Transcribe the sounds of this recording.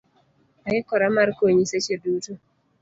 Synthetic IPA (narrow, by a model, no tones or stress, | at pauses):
ajɛkɔɾamaɾkoɲisat͡ʃeduːtu